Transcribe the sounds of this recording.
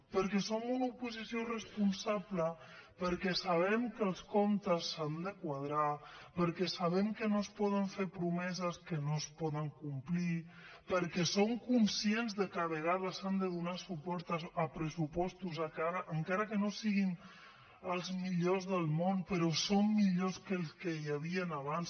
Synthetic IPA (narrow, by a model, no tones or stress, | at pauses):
pəɾkɛsomunupuzisiorəspunsablə | pəɾkɛsaβ̞ɛmkəlˠskomt̪əsːand̪əkwað̞ɾapəɾkɛsaβɛmkənospɔð̞əɱfeɾpɾumɛzəskənospɔðəŋkumpli | pəɾkɛsoŋkunsienzðəkəβəɣ̞aðəsand̪əðunasupɔɾt̪əəpɾəsupɔst̪uzakaɾʔəŋkaɾəkənosiɣin | əlˠzmiʎozðəlˠmonpəɾɔsomːiʎoskəlˠskəjaβiənaβans